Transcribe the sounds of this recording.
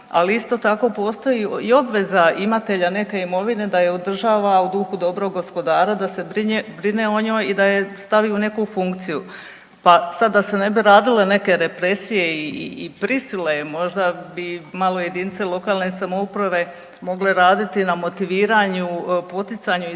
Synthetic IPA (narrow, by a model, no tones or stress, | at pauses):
a̰liist̪o̞t̪ako̞po̞ːst̪o̞jiio̞bʋe̞zaimat̪e̞ʎane̞ke̞imo̞ʋine̞d̪aje̞od̪r̩ʒaːʋaud̪uxud̪o̞bɾo̞ɡɡo̞spo̞d̪aːɾad̪ase̞bɾibɾine̞o̞ɲoːjid̪aje̞st̪aʋiune̞kufuŋkt̪siju | pasad̪ːase̞ne̞biɾaːd̪ile̞ne̞ke̞ɾe̞pɾe̞sije̞iḭːpɾisilemo̞ʒd̪abimalo̞je̞d̪iːnt̪selˠo̞kaːlˠnesamoupɾaʋe̞ | mo̞ɡle̞ɾaːd̪it̪inamo̞t̪iʋiːɾaɲupo̞t̪it̪saɲu